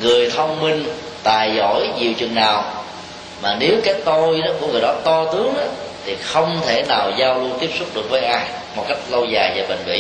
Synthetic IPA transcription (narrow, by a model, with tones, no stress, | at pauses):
ŋɨ˨˩əjt̪ʰə˧wŋ͡mmï˧ŋ | t̪aː˨˩jzɔ̰˧˩jɲi˨˩əwt͡ɕwḭ˨˩ŋnaː˨˩w | maː˨˩ne˨˦wkaː˨˦jt̪o˧jɗɔ˨˦ku˧˥əŋɨ˨˩jɗɔ˨˦t̪ɔ˧t̪ɨ˨˦əŋɗɔ˨˦t̪ʰi˨˩xə˧wŋ͡mt̪ʰe˧˩naː˨˩wzaː˧wlu˧ənt̪i˦˥əp̚sʊ˦˥k͡p̚ɗɨ˨˩ək̚vəː˨˦jʔaː˧j | mo˨˩t̚ka˦˥jk̟̚lə˧wzaː˨˩jvaː˨˩ɓə̰˨˩ŋ̟vḭ˧˨